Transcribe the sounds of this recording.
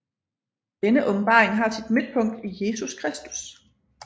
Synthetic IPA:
d̥enəʔɔ̽b̥m̩b̥ɑ̈ːʁeŋɦɑ̈sid̥mid̥̚pʰɔ̽ŋ̰d̥ije̝ːsuskʰʁɛsd̥u̥s

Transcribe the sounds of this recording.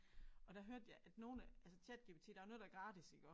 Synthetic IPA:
ɒ̽d̥æɦøɐ̰d̥jɑ̈ɪʔæd̥no̝ːnəælsət͡sʰæd̥ɡ̥ib̥t͡sʰḭd̥æʊno̽ðˠdɑæɐɡ̥ʁɑ̈ːd̥isiɡ̥ɒ̰ː

